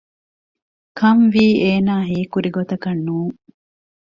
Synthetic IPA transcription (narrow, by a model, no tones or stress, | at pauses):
kʰɐmʋiːeːnaːɦiːkuɾiɡot̪ɐkɐnːuːŋ